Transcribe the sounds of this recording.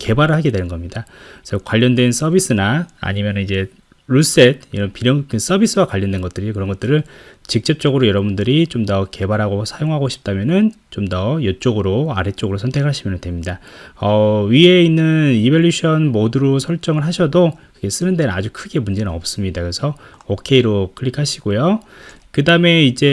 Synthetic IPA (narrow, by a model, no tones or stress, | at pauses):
ke̞baɾɯɭhaɡe̞dwe̞nɯnɡʌmɲidasʰʌkwaʎːʌndwe̞ns͈ʰʌbis͈ɯnaa̰ɲimjʌnɯnid͡ʑe̞ | ɾus͈e̞t̚iɾʌnpiɾjʌŋkɯs͈ʌbis͈ʰɯwakwaʎːʌndwe̞nɡʌt͈ɯɾikɯɾʌnɡʌt͈̚ɯɾɯt͡ɕik̚t͡ɕ͈ʌp̚t͡ɕ͈ʌɡɯɾojʌɾʌbundɯɾit͡ɕomdʌke̞baɾɦaɡosʰajoŋɦaɡoɕʰi̥p̚t͈amjʌnɯn | t͡ɕomdʌjʌt͡ɕ͈ʌɡɯɾoa̰ɾet͡ɕ͈ʌɡɯɾosʰʌntʰe̞kʰaɕʰimjʌnɯndwe̞mɲidaʌɥie̞inːɯnibʌʎːuɕʰʌnmoduɾosʰʌɭt͡ɕ͈ʌŋɯɭɦaɕʰʌdokɯɡe̞s͈ɯnɯndenɯnad͡ʑukʰɯɡe̞mund͡ʑe̞nɯnʌp̚s͈ɯmɲidakɯɾesʰʌ | okʰe̞iɾokʰɯɭikʰaɕʰiɡojo | kɯdame̞id͡ʑe̞